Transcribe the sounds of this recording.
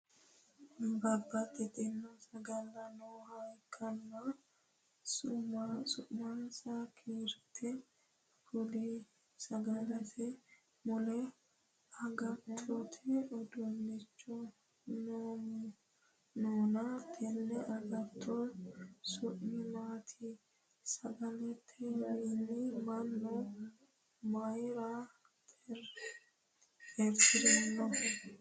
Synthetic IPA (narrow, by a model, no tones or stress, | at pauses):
bɐbːɐt̪ːɛt̪ʼɪnːɔsɐɡɐlːɐnoːhɐjkʰːɐnːɐ | sʊmasʊʔmasakʰeːɾt̪ʰːɛ | hʊli | sɐɡɐlɐsɛ | mʊlɛ | ɐɡɐt̪ʰːɔt̪ʰɛɔd̪ɔnːɪt͡ʃːɔ | noːmʊ | noːnɐt̪ʰɛnːɛʔɐɡɐt̪ʰːɔsʊʔːɪmaːt̪ʰɪ | sɐɡɐlɛt̪ʰːɛninːɪmɐnːɔ | mɐjɾa | t̪ʰɛɾ | hɛɾtːɪd̪ɛnːɔ